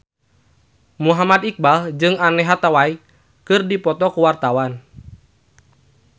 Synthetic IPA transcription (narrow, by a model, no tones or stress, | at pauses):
muɦamad̪ik̚bald͡ʒɨŋanɛɦat̪awai | kɨrdipɔt̪ɔkuwart̪awan